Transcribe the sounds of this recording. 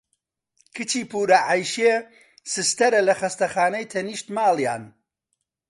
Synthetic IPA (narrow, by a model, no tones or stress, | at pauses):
kʰɨt͡ʃiːpuːɾɐʕajʃeː | sɨst̪ɐɾɐlɐxɐst̪ɐxaːnɐjt̪ʰɐniːʃt̪maːlˠja̰ːn